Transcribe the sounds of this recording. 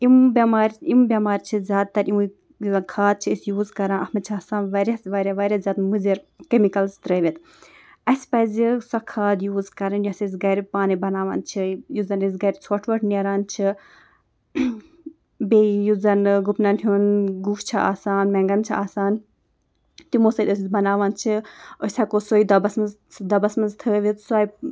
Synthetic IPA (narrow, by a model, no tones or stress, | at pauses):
imbʲɐmaːɾʲimbʲɐmaːɾʲt͡ʃʰizʲaːd̪̚t̪ɐɾimu | zɐnkʰaːd̪̚t͡ʃʰiisjuːzkɐɾãnɐhmɐt͡ʃʰaːsaːnʋɐɾʲɐsʋɐɾʲɐʋɐɾʲɐzʲaːt̪muziɾkemikɐlzt̪ɾeʋʲit̪ | ɐsʲpɐzʲisɐkʰaːd̪juːzkɐɾɐnjɔsɐs̬ɡɐɾipaːnibɐnaːʋɐ̰ːnt͡ʃʰijuzɐnizɡɐɾʲt͡sʰoːʈʰʋɐʈʰneɾaːnt͡ʃʰi | bejuzɐnɡupnɐnɦʲunɡukt͡ʃʰaa̰ːsaːnmɛŋɡɐnt͡ʃʰiaːsaːn | t̪imoːsɐlʲos̬ʲizbɐnaːʋɐnt͡ʃʰiosʲɐkosoid̪ɐbɐsmɐz | d̪ɐbɐsmɐnzt̪ʰəːʋit̪swaːj